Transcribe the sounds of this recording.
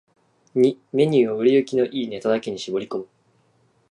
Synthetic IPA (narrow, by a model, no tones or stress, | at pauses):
ɲime̞ɲ̟ɨːoɯ̟ɾʲiɯ̟kʲino̞ʔiːne̞t̪od̪ake̞ɲ̟iɕibo̞ɾʲiko̞mɯ̟